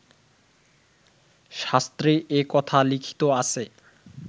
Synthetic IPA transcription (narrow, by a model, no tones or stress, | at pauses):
ʃast̪ɾeʔekɔt̪ʰalikʰi̥t̪oasʰe